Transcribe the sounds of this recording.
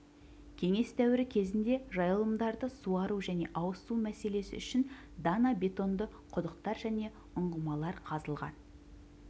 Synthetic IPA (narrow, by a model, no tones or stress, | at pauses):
kʲʰe̞ŋe̞st̪ʰæwɪɾɪkʲʰe̞zɪnd̪e̞ʒɑjəlˠəmd̪ɑɾd̪əsuɑɾuʒæne̞ʔɑwəsumæse̞le̞sɪ̰ʏʃɪn | d̪ɑnabʲe̞t̪o̞nd̪ə | qʰʊd̪əqt̪ɑɾʒæne̞ | ʊɴʁəmɑlˠɑɾqʰɑzəlˠʁɑ̰n